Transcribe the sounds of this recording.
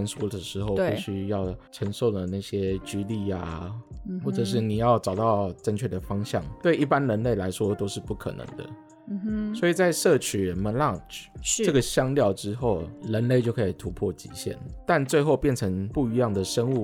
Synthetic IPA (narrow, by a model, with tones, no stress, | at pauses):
nswɔ˥d̪ə˨˩ʂɻ̩˧˥xo˥˧ʊi˥˩ɕy˥jɑ˥˩ʊʈ͡ʂʰə˧˥ŋʂo˥˩ʊlə˩na˥˩ɪɕjɛ˥t͡ɕy˥li˥˩a˨xwɔ˥˩ʈ͡ʂə˨˩ʂ̬ɻ̩˥˩ni˨˩jɑ˥˩ʊʈ͡ʂɑ˨˩ʊt̪ɑ˥˩ʊʈ͡ʂə˥˧nt͡ɕʰɥɛ˥˩d̪ə˩fɑ˥ŋɕjɑ̰˥˨˩ŋt̪we˥˧ɪʔi˥˩pa˦nɻə˧˥nle˥˩ɪla˧˥ɪʂwɔ˥t̪o˥ʊʂɻ̩˥˧pu˥˩kʰɤ̰˨˩nɤ̰˧˦ŋd̪ə̰˧˨˧ | swɔ˧˥i˨˩t͡sa˥˧ɪʂɤ˥˩t͡ɕʰy˨˩ɻə˧˥nmə˧˥nla˥˨˩ʈ͡ʂʈ͡ʂɤ˥˩ɡə˩ɕjɑ˥ŋljɑ˥˩ʊʈ͡ʂɻ̩˥xo˥˩ʊɻə˧˥nle˥˩ɪt͡ɕjo˥˩kʰɤ˧˥i˨˩t̪ʰu˧˥pʰwɔ˥˩t͡ɕḭ˧˥ɕjɛ̰˥˩nt̪a˥˧nt͡swe˥˧ɪxo˥˧ʊpjɛ˥˩nʈ͡ʂʰə˧˥ŋpu˥˩i˧˥jɑ˥˩ŋd̪ə˩ʂə˥nu˥˩